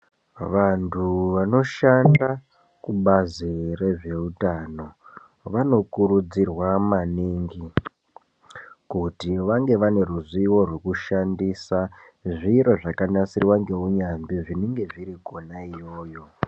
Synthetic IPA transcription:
ʋantʰuʋano̞ʃanda | kuɓazire̞ʐe̞utano̞ | ʋano̞kuɾud͡zirwamaniŋɡi | kutiʋaŋɡe̞ʋane̞ruziwo̞rwe̞kuʃandisa | ʐiɾo̞ʐakanasirwaŋɡe̞uɲambiʐineŋɡe̞ʐiɾiɡo̞naijo̞ːjo̞

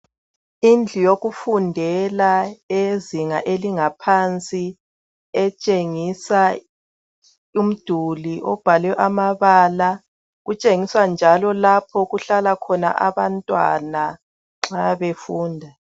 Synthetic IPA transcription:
ind͡ɮʱijoɣufundʱɛlaeziŋaʔeliŋapʰant͡sʼi | ɛt͡ʃʼeŋisa | um̩d̥ʱuliʔɔb̥ʱalɛʔamaβaːla | ɣut͡ʃʼeŋiswand͡ʒʱalɔlapʰɔɣuɬalakʰɔna̰ʔaβantʼwa̰na | ŋ͡ǁaβefuːndʱa

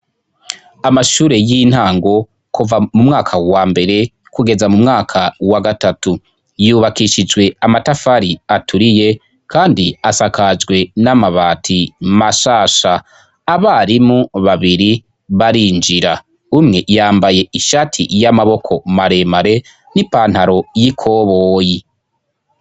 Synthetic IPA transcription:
amaʃuːɾe̞jin̥haːŋɡo̞ | kuvamumŋaːkʰawaːmbe̞ɾe̞ | kuɡe̞zamumŋaːkʰawaɡatatu | juːβakiʃid͡ʒɡwe̞amatafaɾiatuɾije̞ | kʰaːndiasakad͡ʒɡwe̞namaβaːtʰimaʃaːʃaː | βaɾimuβaβiɾi | βaɾiːnd͡ʒiɾa | umŋe̞jaːmbaje̞iʃatʰḭjamaβo̞kʰo̞maɾe̞maɾe̞ | nipaːn̥haɾo̞jikʰo̞ːβoːji

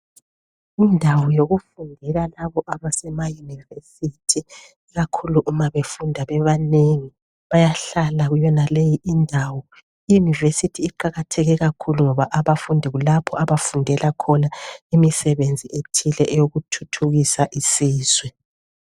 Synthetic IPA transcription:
indʱawɔjoɣufundʱɛlalaβɔʔaβasɛmajunivesitʰi | iɣakʰuluʔumaβefundʱaβɛβaneŋi | βajaɬalaɣujɔnalejiʔindʱawɔ | ijunivesitʰiːǃaɣatʰɛɣɛɣakʰuluŋɔβaʔaβafundʱiɣulapʰɔʔaβafundʱɛlakʰɔnaimisɛβend͡zʱiʔetʰilɛʔɛjoɣutʰutʰuɣisaʔisiːz̥wɛ

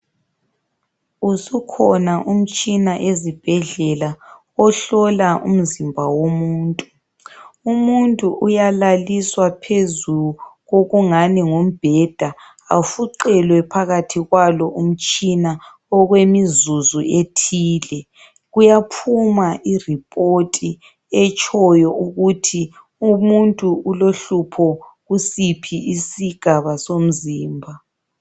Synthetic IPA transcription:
usukʰɔnaʔum̩t͡ʃʼinaʔezib̥ʱɛɮɛla | ɔɬɔlaʔṵm̩zimbʱawomuːntʼu | umuntʼuʔujalaliswapʰezuɣoɣuŋaniŋom̩b̥ʱɛd̥ʱa | a̰fuǀɛlwɛpʰaɣatʰiɣwalɔʔum̩t͡ʃʼina | ɔɣwemizuzuʔetʰiːlɛ | ɣujapʰumaʔiripʼotʼi | ɛt͡ʃʼʰɔjɔuɣutʰi | umuntʼuuloɬupʰɔɣusipʰiisiɡ̥ʱaβasom̩ziːmbʱa

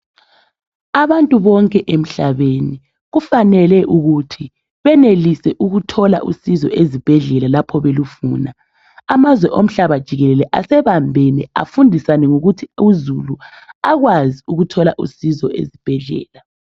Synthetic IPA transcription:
aβantʼuβɔŋkʼɛʔem̩ɬaβeni | ɣufanɛlɛʔuɣutʰi | βɛnelisɛʔuɣutʰɔla̰ʔusizɔ̰ʔezib̥ʱɛɮɛlalapʰɔβelufuːna | amazwɛʔom̩ɬaβad̥ʒ̥ʱiɣɛlɛlɛʔasɛβambʱɛnɛa̰fundʱisanɛŋuɣutʰiuzuluaɣwaziuɣutʰɔlaʔṵsizɔʔḛzib̥ʱɛɮɛ̰ːla

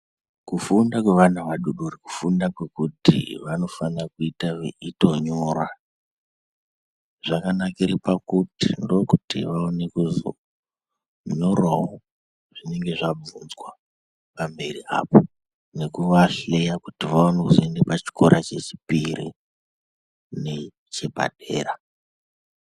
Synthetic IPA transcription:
kufundakwe̞ʋanaʋaɗuɗoriku̥fundakwe̞kutḭʋano̞fanrakuitaito̞ɲorwa | ʐ̥akanakiripakutindo̞kutḭʋaone̞kuzo̰ | ɲo̞rwawo | ʐ̥ine̞ŋɡe̞ʐab͡vunzwa | pambe̞ria̰ːpo | ne̞kuʋaɬejakutiʋaonokzoendepat͡ʃi̥ko̞ɾʔat͡ʃe̞t͡ʃi̥piɾḭ | ne̞ | t͡ʃe̞pa̰dʱe̞̰ːra

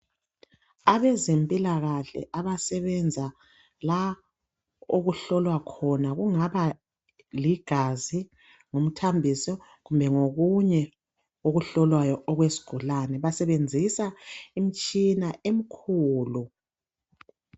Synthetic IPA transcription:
aβɛzempʼilaɣaɬɛ̰ʔaβasɛβɛnd͡zʱa | la | oɣuɬɔlwakʰɔnaɣuŋaβa | liɡ̥ʱazi | ŋom̩tʰambʱisɔ | ɣumbʱɛŋoɣuɲɛ | oɣuɬɔlwajɔʔɔɣwesi̥ɡ̥ʱulanɛβasɛβend͡zʱisaim̩t͡ʃʼinaem̩kʰuːlu

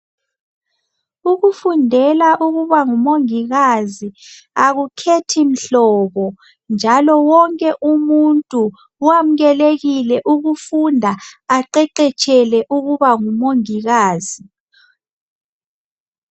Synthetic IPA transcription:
uɣufundʱɛlaʔuɣuβaŋumoŋiɣazi | aɣukʰetʰim̩ɬɔːβɔ | nd͡ʒʱalɔwɔŋkʼɛʔumuntʼu | wam̩ɣɛleɣilɛʔuɣufundʱaːǃɛǃɛt͡ʃʼɛlɛʔuɣuβaŋumoŋiɣaːzi

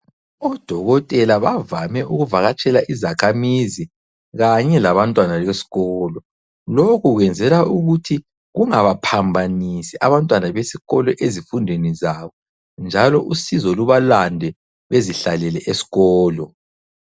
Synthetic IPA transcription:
ɔd̥ʱɔɣɔtʼɛlaβavamɛʔuɣuvaɣat͡ʃʼɛlaʔizakʰamizi | ɣaɲɛlaβantʼwanaɣesi̥ɣɔːlɔ | lokʰuɣwɛnd͡zʱɛlauɣutʰi | ɣuŋaβapʰambʱanisiʔaβantʼwanaβesiɣɔlɔʔezifundʱwenizaβɔ | nd͡ʒʱalɔʔusizɔluβalandʱɛ | βeziɬalɛlɛʔesi̥ɣɔːlɔ

